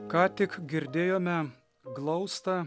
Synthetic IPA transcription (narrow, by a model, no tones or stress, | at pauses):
kɑːt̪ʲɪkɡʲɪɾʲd̪ʲeːjoːmʲɛ | ɡlˠɐʊst̪ɐ